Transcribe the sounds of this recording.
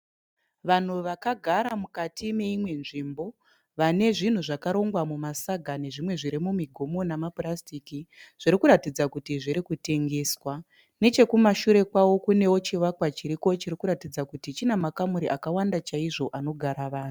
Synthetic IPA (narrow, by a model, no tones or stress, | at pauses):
ʋan̤uʋakaɡʱaɾamukatʰime̞imwe̞nʐimbo̞ | ʋane̞ʐin̤uʐakaɾo̞ŋɡwamumasaɡʱane̞ʐimwe̞ʐiɾimumiɡʱo̞mo̞namapurastiːkiʐ̥iɾikuɾatid͡zakutiʐiɾikute̞ŋɡe̞ːswa | ne̞t͡ʃe̞kumaʃuɾe̞kwawo̞kune̞wo̞t͡ʃiʋakwat͡ʃiɾiko̞t͡ʃiɾikuɾatid͡zakutit͡ʃinamakamuɾiʔakawandat͡ʃaiʐo̞ʔano̞ɡʱaɾaʋaːn̤u